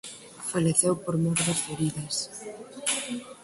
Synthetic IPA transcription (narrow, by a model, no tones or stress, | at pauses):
faleθewpoɾmoɾðasfeɾiðɐs